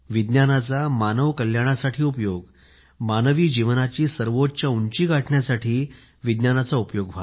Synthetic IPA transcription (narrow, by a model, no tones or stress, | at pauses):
ʋid̪njanat͡samanəʋkəljaɽ̃asaʈʰiːupjoɡ | manəʋiːd͡ʑiʋnat͡ɕiːsəɾʋott͡ɕjauɲt͡ɕiːɡaʈɳjasaʈʰiː | ʋid̪njanat͡saupjoɡʋʱa